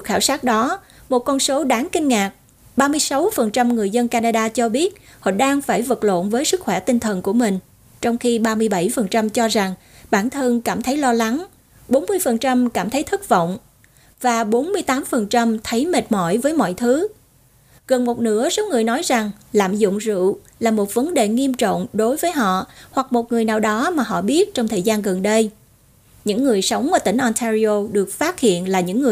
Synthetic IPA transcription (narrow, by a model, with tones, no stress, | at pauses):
ɨ˨˩k̚xaː˧˩wsaː˦˥t̚ɗɔ˨˦ | mo˨˩t̚kɔ˧nso˨˦ɗaː˨˦ŋkï˧ŋ̟ŋaː˨˩k̚ | ɓaː˧mɨ˧əjsa˨˦wfə˨˩nt͡ɕa˧mŋɨ˨˩əjzə˧nkaː˧naː˧ɗaː˧t͡ɕɔ˧ɓi˦˥ət̚hɔ̰˧˨ɗaː˧ŋfaː˧˩jvə˨˩t̚lo̰˧˨nvəː˨˦jsɨ˦˥k̚xwɛ˧˩t̪ï˧ŋ̟t̪ʰə˨˩nku˧˩əmï˨˩ŋ̟ | t͡ɕɔ˧wŋ͡mxi˧ɓaː˧mɨ˧əjɓa˧˩jfə˨˩nt͡ɕa˧mt͡ɕɔ˧za˨˩ŋ | ɓaː˧˩nt̪ʰə˧nkaː˧˩mt̪ʰə˨˦jlɔ˧la˨˦ŋ | ɓo˨˦nmɨ˧əjfə˨˩nt͡ɕa˧mkaː˧˩mt̪ʰə˨˦jt̪ʰɨ˦˥k̚və̰˧˨wŋ͡m | vaː˨˩ɓo˨˦nmɨ˧əjt̪aː˨˦mfə˨˩nt͡ɕa˧mt̪ʰə˨˦jme˨˩t̚mɔ̰˧˩˨jvəː˨˦jmɔ̰˧˨jt̪ʰɨ˨˦ | ɣə˨˩nmo˨˩t̚nɨ̰˧˥əso˨˦wŋɨ˨˩əjnɔ˨˦jza˨˩ŋla̰ː˧˨mzʊ̰˧˨ŋ͡mzɨ̰˧˨ | laː˨˩mo˨˩t̚və˨˦nɗe˨˩ŋi˧əmt͡ɕɔ̰˧˨wŋ͡mɗo˨˦jvəː˨˦jɦɔ̰˧˨hwa˨˩k̚mo˨˩t̚ŋɨ˨˩əjnaː˨˩wɗɔ˨˦maː˨˩ɦɔ̰˧˨ɓi˦˥ət̚t͡ɕɔ˧wŋ͡mt̪ʰəː˨˩jzaː˧nɣə˨˩nɗə˧j | ɲɨ̰˧˥ŋːɨ˨˩əjsə˨˦wŋ͡mʔaː˨˩t̪ï˧˩ŋ̟ʔɔ˧nt̪ʰa˧zi˧o˧ɗɨ˨˩ək̚faː˦˥t̚hḭ˧˨ənlaː˨˩ɲɨ̰˧˥ŋːɨ˨˩ə